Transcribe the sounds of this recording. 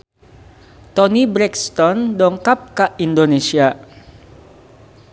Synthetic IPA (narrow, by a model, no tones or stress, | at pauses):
t̪ɔnibɾɛkst̪ɔndɔŋkap̚kaʔindonesia